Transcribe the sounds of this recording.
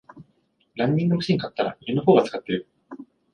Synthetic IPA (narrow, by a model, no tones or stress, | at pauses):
ɾãɲ̟ːĩŋɡ̪omɯ̟ɕĩŋkat̪ːaɾa̰imenoɦoːɡat͡sɨ̥kat̪ːe̞ɾɯ̟